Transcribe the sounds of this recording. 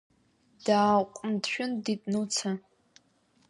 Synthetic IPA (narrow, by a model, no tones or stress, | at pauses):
d̥aːqʷʼndʃᶣʊnditʼnut͡sʰa